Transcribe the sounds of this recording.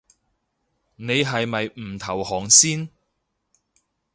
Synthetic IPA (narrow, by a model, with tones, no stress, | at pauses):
ne˨˧jɦɐ˨jmɐ˨jm̩ː˨˩t̪ʰɐ˨˩whɔː˨˩ŋsiː˥n